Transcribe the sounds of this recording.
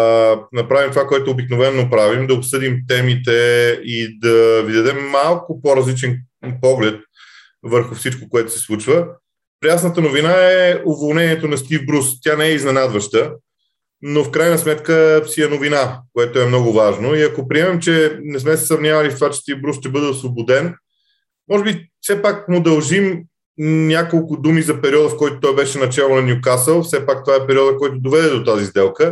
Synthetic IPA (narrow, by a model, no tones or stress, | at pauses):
nɐpɾavimt̪ovakoɛt̪oːbiknovɛnːopɾavimd̪ɐopsɤd̪imt̪ɛmit̪ɛid̪ɐvid̪ɐd̪ɛmːalˠkʊpoɾɐzlit͡ʃɛn | pɔɡlɛt̪̚ | vəɾxʊfsit͡ʃkokoɛt̪ʊ̥sɛ̥slˠut͡ʃvə | pɾiasnət̪ənovinaɛovolˠnɛnʲiɛt̪onɐst̪ivbɾust̪ʲjanɛɛiznɛnad̪vəʃt̪ə | nofkɾajnəsmɛt̪kəsiɛnovinakoɛt̪oɛmnɔɡʊvaʒnoiɐkopɾiɛmɛmt͡ʃɛnɛsmɛsɛ̥sɐvnʲiavɐlʲist̪ovat͡ʃɛ̥st̪ivbɾusʃt̪ɛbɤd̪ɛosvˠobod̪ɛn | mɔʒɛbifsɛpakmʊd̪ɐlˠʒim | nʲjakolˠkʊd̪umizɐpɛɾiɔd̪əfkɔjt̪ot̪ɔjbɛʃɛnɐt͡ʃɛlˠonɐnʲjukasəlˠfsɛpak̚t̪ovaɛpɛɾiɔd̪əkɔjt̪ʊd̪ovɛd̪ɛd̪ot̪azizd̪ɛlˠkə